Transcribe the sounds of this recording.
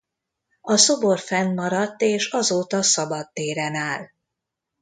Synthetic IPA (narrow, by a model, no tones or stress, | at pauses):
ɒso̞bo̞rfɛnmɒɾɒt̪ːeːʃɒzoːt̪ɒsɒbɒd̪ːeːɾɛnaːl